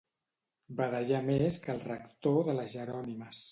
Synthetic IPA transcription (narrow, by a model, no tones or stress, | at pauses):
baðəʒameskəlˠrəkt̪oðələzʒəɾɔniməs